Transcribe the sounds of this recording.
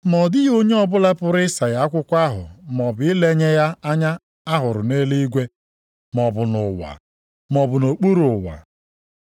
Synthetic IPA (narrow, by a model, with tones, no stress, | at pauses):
mɔ˨dɪ˦jo˦ɲe˦ɔ˦˨bʊ˦la˦pʊ˦ɾɪ˦sa˨ja˨˦kʷʊ˦kʷa˦ɦʊ̰˨m˨ɔ˨bʊ˨˦ɪ˦le˦ɲe˦ja˦a˦ɲa˦ | a˦ɦʊ˨ɾʊ˨ne˦li˦i˦ɡʷe˦ | mɔ˨bʊ˨nʊ˨wa̰˨ | mɔ˨bʊ˨no˨k͡pu˦ɾʊ˨wa̰˨